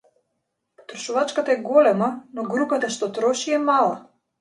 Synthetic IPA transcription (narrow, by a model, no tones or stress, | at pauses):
pɔ̥t̪ɾɔʃuvat͡ʃkat̪aɛɡɔlɛmanɔɡɾupat̪aʃt̪ɔt̪ɾɔʃiɛmalˠa